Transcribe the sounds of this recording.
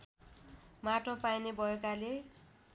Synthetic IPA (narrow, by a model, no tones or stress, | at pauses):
maʈopajnebʱʌjokale